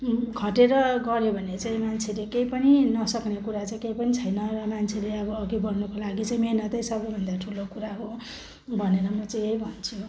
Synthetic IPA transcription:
ɡʱʌʈeɾʌɡʌɾjobʱʌnet͡saĩmant͡sʰelekejpʌninʌsʌknekuɾat͡saĩkejpʌnit͡sʰʌjnʌrʌmant͡sʰeleʌbʌːɡibʌnnukolaɡit͡saĩmenʌt̪ʌjsʌbʌjbʱʌnd̪aʈʰulokuɾaɦo | bʱʌneɾʌmʌt͡saĩeibʱʌnt͡sʰu

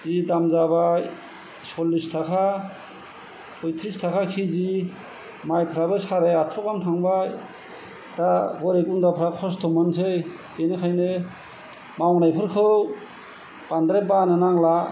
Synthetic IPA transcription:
zidamzabaj | sɔlːistʰakʰa | pʰɔjt̪ʰɾistʰakʰakʰizi | majpʰɾabɯsaɾeaɔkamtʰaŋbaj | taɡɔɾeɡundapʰɾakʰɔstʰɔmɔnsʰej | enekʰajne | mawŋnajpʰɯɾkʰɯw | pand̪ɾebanenaŋla

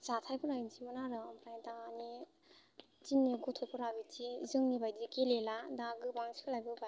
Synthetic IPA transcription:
z̥atʰajpɯnajnzimɔnaɾɯmʰɾajdaani | tinːiɡɔtʰɔpʰɔɾabitizɯŋnibajdikeleladaɡɯbaŋsi̥kɯlajbɯba

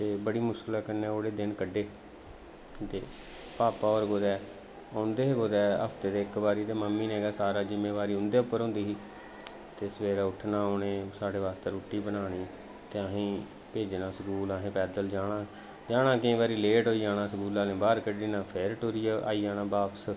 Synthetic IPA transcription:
t̪eːbəɽiːmʊskəlaːkənɛ̃ːoːɽeːd̪ɪnkəɖːeː | t̪eː | paːpaːɔːɾɡoːd̪ɛː | ãːnd̪eːeɡoːd̪ɛːə̰pʰt̪eːd̪eːkbaːɾiːt̪eːməmːiːneːɡaːsaːɾaːd͡ʒɪmːeːʋaːɾiːʊ̃nd̪eːʊpːəɾõːnd̪iːɦiː | t̪eːsəʋeːɾaːʊʈʰnaːoːɳẽːsaːɽeːʋaːst̪eːɾuːʈːiːbənaːɽiː | t̪eːəɦĩː | peːd͡ʒnãːsəkuːlaːɦẽːpɛːd̪əld͡ʒaːɽãː | d͡ʒaːɽ̃ãːkɪĩːbaːɾiːleːʈoːiːaːnãːsəkuːlaːnẽːbaːɾkəɖiːnãːpʰeːɾʈoːɾiːaa̰ːiːaːnãːbaːpəs

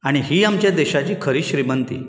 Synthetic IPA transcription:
aɽ̃iɦiːamt͡ɕjad̪eɕat͡ɕiːkʰəɾiːɕɾimənt̪ḭː

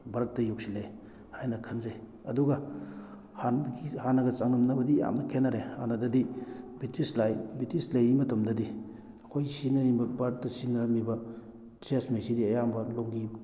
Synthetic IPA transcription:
bɐɾt̚dɐjuk̚silej | hajnɐkʰɐnzaj | ɐduɡɐ | hanihanɐɡɐt͡ʃaŋnɐmnɐbɐdija̰mnɐkʰenaɾeha̰nɐdɐdibitʰislajbitislɐjimɐtɐmdɐdi | ɐkʰojsinɐɾibɐbɐɾt̚dɐsinɐɾɐmibɐ | t͡ʃesmesidiɐjambɐloŋɡi

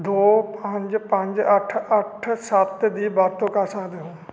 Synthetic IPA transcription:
d̪oːpə̃ɲd͡ʒpə̃ɲd͡ʒɐʈʰɐʈʰsaːt̪d̪iːbaːɾt̪õkãːsãd̪eɦõː

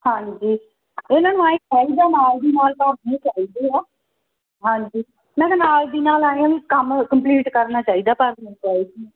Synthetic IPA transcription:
hãːɲd͡ʒiː | ɪnãːnũãːẽːkʰɛːiːd̪aːnaːld̪iːnaːlpəɾẽːt͡ʃaːiːd̪eːaː | ɦãːɲd͡ʒiː | mɛ̃ːkːnaːld̪iːnaːlaːẽːãːʋiːkəmkəmpliːʈkəɾnaːt͡ʃaːiːd̪aːpəɾd̪nãːt͡ʃaːiːd̪iː

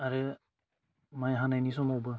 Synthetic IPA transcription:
aɾɯ | majɦanajnis̬ɔmɔwbɯ

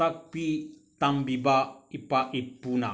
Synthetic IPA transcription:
ak̚pi | t̪ambibaipaʔipːuna

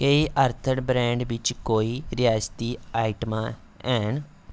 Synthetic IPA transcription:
kəiːʔəɾt̪ʰəɳbɾɛ̃ːɳɖʋɪt͡ʃkoːiːɾɪjaːd͡ʒt̪iːaːɪʈmãː | ɛːn

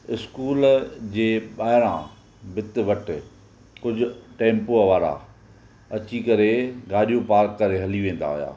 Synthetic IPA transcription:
ɪskuːld͡ʑeːɓaːɦɪɾã̰ | bɪt̪ɪʋɐʈɪ | kʊd͡ʑʱʊ̆ʈẽːmpoəʋaːɾa̰ | ɐt͡ɕikɐɾeɡaːɗijõpaːɾkːɐɾeɦɐliʋẽːn̆d̪a̰ɦʊja̰ː

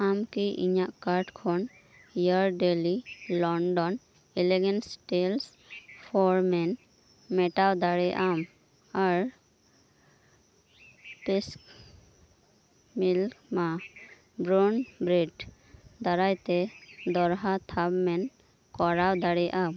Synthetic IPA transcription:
amkiʔḭɲaʔkaɾʈkʰɔn | ijaɾɖelilɔɳɖɔn | ɛlɛɡɛnsʈɛls | pʰɔɾmɛn | mɛʈawd̪aɽɛʔam | aɾ | pesk | milkma | bɾɔnbɾiɖ | d̪aɾajt̪ɛd̪ɔɾɦat̪ʰabmɛn | kɔɾawd̪aɽɛʔam

